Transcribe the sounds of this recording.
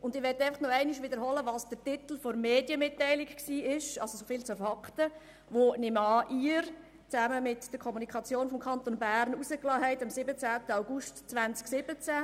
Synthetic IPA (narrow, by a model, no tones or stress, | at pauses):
ʊndɪʋɛtːɛɪfɑχnɔɛɪniʃʋɪdəɾɦɔləʋɑːsd̥ətit̪l̩foɾmeːdjəmɪtːɛɪlɪkksiːɪʃɑlsosofɪːlt͡sufɑktə | ʋonɪmɑːʔiːəɾ | t͡sæməmɪtd̥əɾkʰɔmunikʰɑt͡sjoːnfɔmkʰɑnt̪onbæːɾnusəklɑːɦɛɪtɑmsɪbət͡sæːtəaʊɡustt͡sʋænt͡sksɪb̥ət͡sæ